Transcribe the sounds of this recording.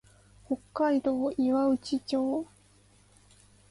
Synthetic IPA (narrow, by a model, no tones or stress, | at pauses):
ho̞kːaid̪o̞ːiβaɯ̟t͡ɕit͡ɕo̞ː